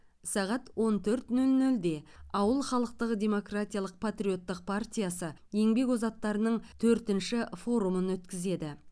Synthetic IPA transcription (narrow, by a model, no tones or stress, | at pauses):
sɑʁɑt̪wo̞nt̪ʰɵɾt̪nɵlnɵld̪e̞ɑwəlˠχɑlˠəq̚t̪əʁəd̪ʲe̞mo̞krat̪ʲijaɑlˠəq̚pʰat̪ɾʲijo̞t̪ːəq̚pʰart̪ʲijasəje̞ŋbe̞kozɑt̪ːɑɾənəɴt̪ʰɵɾt̪ɪnʃɪfo̞ɾumənwɵt̪kʲɪze̞d̪ɪ